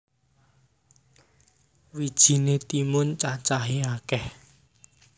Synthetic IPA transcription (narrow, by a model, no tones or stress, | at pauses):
wid̥ʒ̥i̤net̪imʊnt͡ʃat͡ʃaɦiakɛh